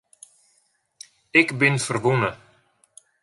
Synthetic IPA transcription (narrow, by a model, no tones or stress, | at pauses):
ɪkbɪnfərʋunə